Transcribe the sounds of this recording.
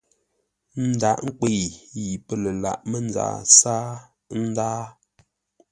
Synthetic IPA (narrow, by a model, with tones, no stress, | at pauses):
n̩˦da˨ʔŋ̩˦k͡pe˦˨ji˨pə˦lə˨la̰˨ʔmə˦˨n˦da̰ː˦˨saː˦ | n̩˦daː˦